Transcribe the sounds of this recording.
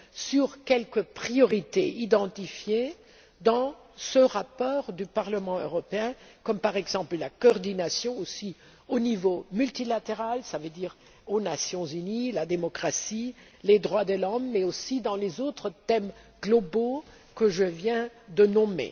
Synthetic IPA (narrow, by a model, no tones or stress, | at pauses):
syʁkʲɛlkəpχijɔʁit̪eid̪ɑ̃t̪ifje | d̪ɑ̃ | səʁapɔːʁd̪ypaʁləmɑ̃ø̰ʁɔpeɛ̃kɔmpaʁɛɡzɑ̃pləlakɔɔʁd̪inasjɔ̃osi | onivomylt̪ilat̪eʁalsavød̪iːʁ | onasjɔ̃zynilad̪emɔkχasi | led̪ʁwad̪əlɔmːɛosid̪ɑ̃lezot̪χət̪ɛm | ɡ̥lɔbo | kəʒəvjɛ̃d̪ənɔmḛ